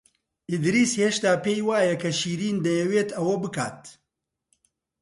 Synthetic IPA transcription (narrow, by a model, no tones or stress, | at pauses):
ʔid̪ɾiːsheːʃt̪aːpeːjwaːjɐkʰɐʃiːɾiːnd̪ɐjɛweːt̪ɐwɐbɨka̰ːt̪